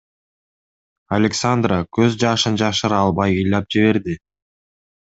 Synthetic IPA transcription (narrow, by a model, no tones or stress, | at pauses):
alʲeksand̪rakø̞zd͡ʒɑʃɯnd͡ʒɑʃɯɾɑlˠbɑjɯjlʲɑp̚d͡ʒiβe̞ɾd̪i